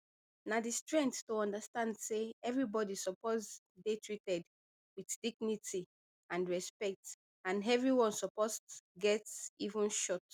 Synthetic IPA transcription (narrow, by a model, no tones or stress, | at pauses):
nadistɹɛ̃ŋkttoɔ̃ndastãndseɛvɹibɔdisɔpɔz | detʰɹitɛd | wiθdiɡniti | ãnɹɛspɛk̚t | ãnɛvɹiwɔ̃nsɔpostɡɛtsivũnʃɔt